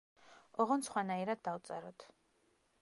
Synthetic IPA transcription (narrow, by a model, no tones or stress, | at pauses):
ɔʁɔnsχwanaiɾad̪̚d̪ːawt̪sʼɛɾɔt̪ʰ